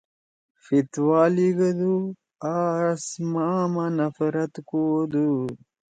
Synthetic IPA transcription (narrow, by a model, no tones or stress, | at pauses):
fit̪waːliɡɐd̪u | asmamanɐfɾɐt̪kod̪u